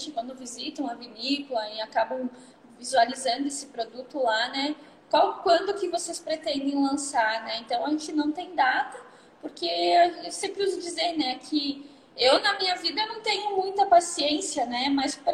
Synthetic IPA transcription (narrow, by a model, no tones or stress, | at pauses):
t͡ʃɪkwɐ̃nd̪ʊvizit̪ɐ̃w̃ɐvinikʊlɐɪakabɐ̃w̃ | vizualizɐ̃nd̪ʊesɪ̥pɾod̪ut̪ʊlanɛ | kawkwɐ̃nd̪ʊkɪvosespɾet̪ẽnd̪ẽj̃lɐ̃saɾnɛẽnt̪ɐ̃w̃ɐʒẽt͡ʃɪnɐ̃w̃t̪ẽj̃d̪at̪ɐ | poɾkeasẽmpɾɪʊzd͡ʒizeɾnɛkʰɪ | ewnɐmĩɲɐvid̪ɐnɐ̃w̃t̪ẽɲʊmũj̃t̪ɐpasiẽsiɐnɛmaspɾ